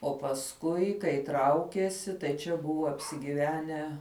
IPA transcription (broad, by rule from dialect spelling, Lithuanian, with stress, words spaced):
oː pɐsˈkʊɪ kɐɪ ˈtrɐʊkʲiɛsʲɪ tɐɪ ˈt͡ʃʲɛ ˈbʊʋoː ɐpʲsʲɪɡʲiːˈʋʲæːnʲæː